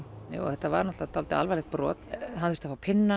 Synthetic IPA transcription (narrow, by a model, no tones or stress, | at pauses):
jo̰ːwɔ̰θɛht̪ːava̰ɾnɔht̪at̪ʰawlt̪ɪa̰lvalɛxt̪̚pɾɔ̰ːt̪ɦanθfɾ̥t̪afaːwpʰɪnːa